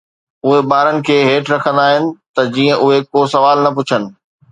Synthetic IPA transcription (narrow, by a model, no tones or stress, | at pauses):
ʊɦebaːɾənɪ̆kʰeːɦeːʈɾɐkʰə̃nd̪aːɦɪnɪ̆t̪ɐd͡ʑiːə̃ʔʊɦekoːsɐʋaːlnɐpʊt͡ɕʰənɪ̆